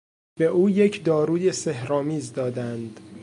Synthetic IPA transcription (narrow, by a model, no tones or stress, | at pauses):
b̥eʔuːje̞cʰd̪ɒːɾuːj̪esehɾɒːmiːzd̪ɒːd̪ænd̪